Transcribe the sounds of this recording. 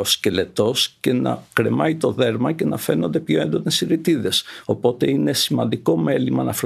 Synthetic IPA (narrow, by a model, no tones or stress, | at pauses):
oscele̞t̪o̞sce̞nɐ̰kɾe̞mɐit̪o̞ðe̞ɾmɐce̞nɐfe̞no̞nd̪e̞pçoe̞nd̪o̞ne̞siɾit̪iðe̞so̞po̞t̪e̞ine̞simɐnd̪iko̞me̞limɐnɐf